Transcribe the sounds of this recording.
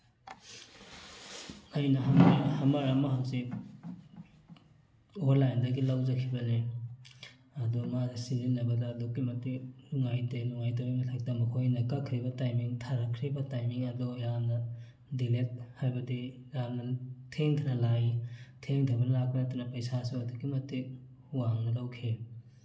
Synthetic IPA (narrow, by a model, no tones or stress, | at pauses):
ɐjnɐɦamaɾhɐmaɾamaɦaksi | olajndɐɡilawzɐkʰibɐne | ɐdumasininːɐbɐdadokimɐtiluŋajtenuŋajtawijmɐtʰak̚tamɐkʰojnɐkakʰɾibɐtajmiŋtʰaɾakʰɾibɐtajmiŋɐdɔjamnɐ | dilet̚hajbɐdi | jamnɐtʰeŋtʰnɐlajtʰeŋtʰabɐnɐlak̚pɐnɐtanɐpɐjsasiadokːimɐtik̚ | huwaŋnɐlawkʰe